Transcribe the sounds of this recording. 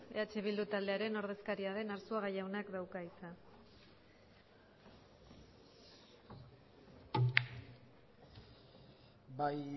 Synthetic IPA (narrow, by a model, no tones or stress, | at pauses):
eat͡ʃe̞β̞ild̪ut̪ald̪e̞aɾe̞no̞ɾð̞e̞skaɾiaðe̞naɾsuaɣajawnakd̪awkaisan | baj